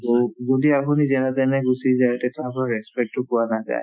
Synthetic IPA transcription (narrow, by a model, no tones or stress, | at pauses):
tozodiapʰunizɛnatɛnɛɡusizaɛtɛtʰaapɔɹɛspɛk̚tʊkɔwanaza̰j